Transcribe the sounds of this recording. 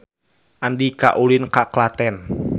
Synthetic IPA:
ʔandika̰ʔulinkaklat̪ɛn

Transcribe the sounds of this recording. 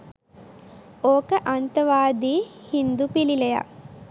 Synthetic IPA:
oːkəʔant̪əʋaːd̪iːhind̪upilileja̰

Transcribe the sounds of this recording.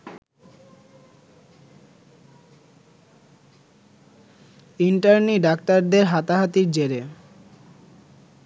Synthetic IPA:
iɳʈaɾniɖak̚t̪aɾd̪eɾɦat̪aɦat̪iɾd͡ʑeɾe

